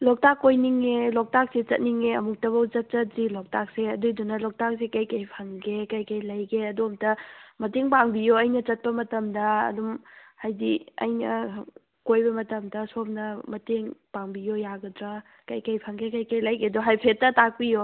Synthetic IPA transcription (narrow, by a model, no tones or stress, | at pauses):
lɔk̚takːojniŋelɔk̚tak̚set͡ʃɐt̚niŋeɐmuk̚tɐβɐwt͡ʃɐt̚t͡ʃɐt̚zilok̚tak̚seɐdujdunɐlɔk̚tak̚sekɐjkɐjpʰɐŋɡekɐjkɐjlɐjɡeɐdomtɐmɐteŋpaŋbijoɐjnɐt͡ʃɐt̚pɐmɐtɐmdɐɐ̰dumhajdiɐ̰jnɐ̰ | kojbɐmɐtɐmdɐsop̚nɐmɐteŋpaŋbijojaɡɐdɾa | kɐjkɐjpʰɐŋɡekɐjkɐjlɐjɡedoɦajpʰet̚ːɐtak̚pijo